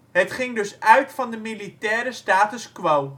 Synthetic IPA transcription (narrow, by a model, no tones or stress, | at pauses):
ɦətχɪŋdɵsœɥtfɑndəmilitɛːɾəstaːtəskʋow